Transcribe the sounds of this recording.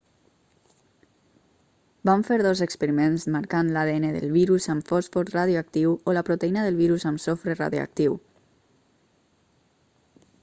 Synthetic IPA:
baɱfeɾðozəkspəɾimenzmaɾkanlaðeeneðə̰lˠβiɾuzəmfɔsfɔɾt̪raðjuək̚t̪iwoləpɾut̪əinəðəlˠβiɾuzəmsofɾera̰ðjṵə̰k̚t̪iw

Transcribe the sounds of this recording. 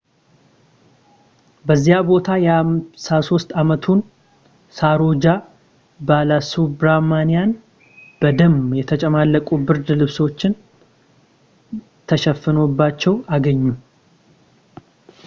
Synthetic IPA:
bəzːijabo̞t̪ʰajamsaso̞st̪ʼamət̪ʰun | saɾod͡ʒa | balasubɾamanijan | b̥əd̪əmjɛt̪ʰət͡ʃʼɛmalːəkʼubɨɾd̪lɨβswot͡ʃːɪn | t̪ʰəʃɛfːɨno̞bːat͡ʃːɛwaɡəɲːu

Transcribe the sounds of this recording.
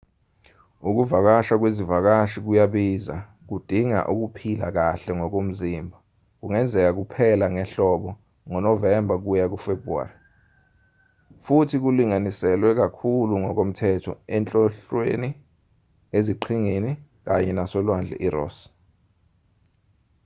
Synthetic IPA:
uk̬uvak̬aʃak̬wezivak̬aʃik̬ujaɓiza̰ | k̬ud̥ʱiŋa̰ʔuk̬upʰila̰k̬aɬɛŋɔk̬om̩zimbʱa | k̬uŋɛnd͡zʱɛk̬ak̬upʰɛlaŋɛɬɔɓɔ | ŋɔnɔvɛmbʱak̬ujak̬ufebua̰ri | futʰik̬uliŋanisɛlwɛk̬akʰuluŋɔk̬om̩tʰɛtʰɔ̰ɛnt͡ɬʼɔɬweni | eziǃʰiŋeni | k̬aɲɛnasɔlwand͡ɮʱɛ̰ʔirɔ̰ːs

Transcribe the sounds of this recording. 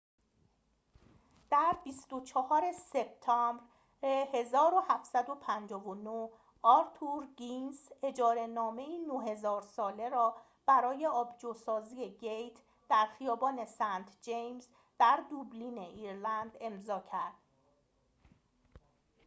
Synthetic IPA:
d̪̥æɾbist̪o̞t͡ʃʰɒhɒːɾe̞se̞b̚t̪ʰɒmbɾ | ehe̞zɒːɾo̞hæft̪sæd̪o̞pʰænd͡ʒɒːvono | ɒːɾt̪ʰuɾɡinse̞d͡ʒɒːɾe̞nɒːme̞iːnoɦe̞zɒːɾsɒːle̞ɾɒː | b̥æɾɒːje̞ɒːbd͡ʒosɒːziːeɟejt̪ʰ | d̪̥æɾxijɒːbɒːne̞sænt̪ʰd͡ʒejmz | d̪̥æɾd̪ubliːne̞ʔiːɾlænd̪e̞mzɒːcʰæɾd̪̥̚

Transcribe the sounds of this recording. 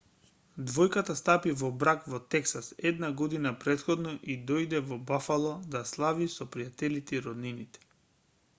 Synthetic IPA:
d̪vɔjkat̪ast̪apivɔbɾakvɔt̪ɛksasɛd̪naɡɔd̪inapɾɛt̪xɔd̪nɔʔid̪ɔjd̪ɛvɔbafalˠɔd̪aslˠavisɔpɾijat̪ɛlit̪ɛiɾɔd̪ninit̪ɛ̥

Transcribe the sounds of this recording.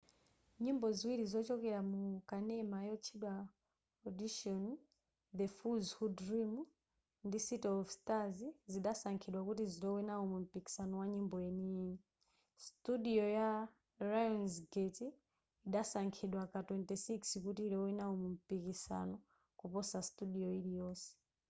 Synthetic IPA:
ɲimbɔziwiɾizɔt͡ʃɔkɛɾamukanɛmajɔt͡ʃʰiɗwa | ɔdiʃɔni | ðɛfuzhudɾimu | ndisitɔɔfstaziziɗasaŋkʰiɗwakutiziɗɔwɛnaɔmum̩piki̥sanɔwaɲimbɔjɛnini | studiɔja | ɾajɔnzɡetiː | ɗasaŋkʰiɗwakatwɛntisikskutiːɾɔwinaumum̩pikisa̰nɔ | kupɔsastuɗiɔiɾijɔːsɛ̥

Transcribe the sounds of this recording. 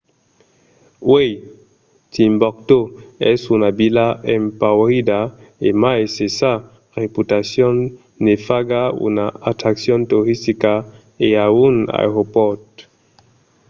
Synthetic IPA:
wej | t̪imbɔk̚t̪oɛ̰sunabilaempawɾid̪aemaesesa | ʁeput̪asjõnː | efaɡaṵnaat̪ɾaksjõnt̪oɾist̪ika | eauna̰ʁopɔt̪

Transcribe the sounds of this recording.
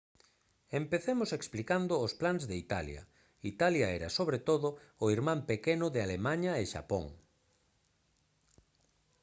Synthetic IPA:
empeθemoseksplikand̪ʊːsplanzðeit̪a̰ljɐ̰ | it̪aljaɛɾɐsoβɾet̪oðʊːiɾmãmpekenʊðealemaɲaeʃa̰po̰ŋ

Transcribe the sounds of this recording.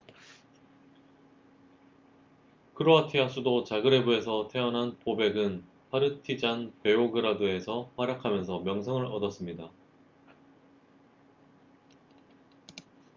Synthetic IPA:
kʰɯɾoatʰiɦas͈ʰudot͡ɕaɡɯɾe̞bue̞sʰʌtʰe̞ʌnɦanpobe̞ɡɯn | pʰaɾɯtʰid͡ʑanpe̞oɡɯɾadue̞sʰʌɸwaɾjakʰamjʌnsʰʌmjʌŋsʰʌŋɯɾʌdʌs͈ɯmɲida

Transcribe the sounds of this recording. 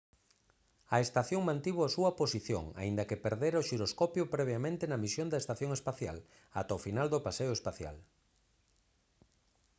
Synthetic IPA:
ɐest̪aθjoŋmãnt̪iβoasuɐposiθjo̰ŋa̰ind̪ɐkepeɾðeɾaoʃiɾoskɔpjʊpɾɛβjamẽnt̪enɐmisjond̪ɐest̪aθjoŋespaθja̰l | a̰t̪aofinald̪opaseʊespaθja̰l

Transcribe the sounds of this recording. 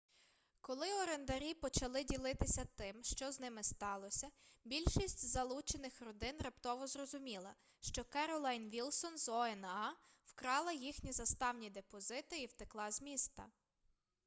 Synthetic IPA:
kɔlˠɪɔɾend̪ɐɾʲipɔt͡ʃɐlˠɪdʲilˠɪt̪ɪsʲɐt̪ɪmʃt͡ʃɔznɪmɪst̪ɑlˠɔsʲɐbʲilʲʃisʲtʲzɐlˠut͡ʃenɪxrɔd̪ɪnrɐpt̪ɔʋɔzrɔzʊmʲilˠɐ | ʃt͡ʃɔkɛɾɔlˠɐjnʋʲilˠsɔnzɔɛnɑ | wkɾɑlˠɐjixnʲizɐst̪ɑwnʲid̪epɔzɪt̪ɪiwt̪ɪklˠɑzʲmʲist̪ɐ̰

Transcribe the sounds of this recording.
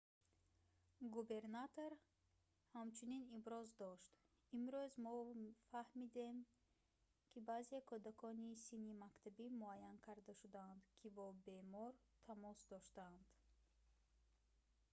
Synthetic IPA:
ɡube̞ɾnat̪ʰoɾ | hamt͡ʃʰuninibɾɔzd̪ɔʃt̪ | imɾuzmɔfahmid̪e̞m | kʰibazekʰɔd̪akʰɔnisinimakt̪ʰabimuajankʰaɾd̪aʃud̪aːnd̪kʰibɔbe̞mɔɾ | t̪ʰamɔsd̪ɔʃt̪and̪̥

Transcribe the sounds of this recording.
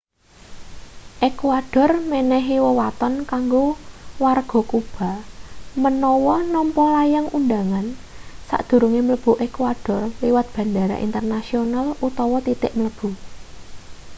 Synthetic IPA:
ʔekwaɖ̥ɔ̤rmɛnɛɦiwəwat̪ɔnkaŋɡowarɡ̥ɔ̤kub̥a̤mənɔwɔnɔmpɔlajaŋund̪a̤ŋan | sa̰ʔd̪̥ṳɾuŋemələb̥ṳʔekwaɖ̥ɔ̤rliwat̪̚b̥a̤nd̪aɾa̰ʔḭnt̪ərnasionalut̪ɔwɔt̪it̪ɪ̰ʔmləb̥ṳ

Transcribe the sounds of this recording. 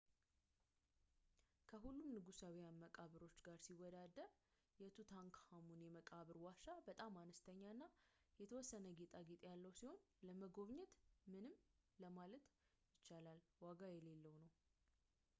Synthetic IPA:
kʰəɦulːumnɨɡusawijanməkʼaβɨɾo̞t͡ʃːɡaɾsiwːɔd̪ad̪ːəɾ | jɛt̪ʰut̪ʰaŋkhamunjɛməkʼaβɨɾwaʃabət̪ʼamːanəst̪ʰəɲːaɨnːajɛt̪ʰəwɔsːənəɡet̪ʼaɡet̪ʼjalːəwsiho̞nləməɡo̞βɲɛt̪mɨnɨmləmalət̪ | jɪt͡ʃːalalwaɡajɛle̞lːəwnəw

